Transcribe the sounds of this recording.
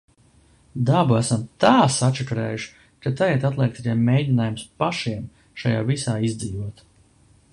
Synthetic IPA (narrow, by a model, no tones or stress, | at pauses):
d̪abuæsamt̪aːsat͡ʃɛkɾḛːjuʃi̥ | kat̪ajɛɛt̪at̪lˠɛk̚t̪akemːejdʲinaːjumspaʃiɛm | ʃajaːvisaːizd̪ziːvuɔt̪